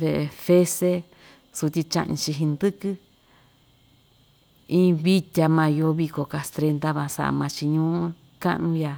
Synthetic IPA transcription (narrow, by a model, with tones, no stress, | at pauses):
βe˧˨e˧fe˦se˦ | su˧t̪ʲi˧t͡ʃã̰˧ʔɲḭ̃˧t͡ʃi˧ɦĩ˧nd̪ɨ˦kɨ˦ | ĩː˦βi˦t̪ʲa˧mã˧jo˧˦βi˧ko˨ka˧st̪ɾe˧nd̪a˦βã˧sa̰˧ʔmã˧t͡ʃi˧ɲũː˦ | kã̰˦ʔnũ˧ja˧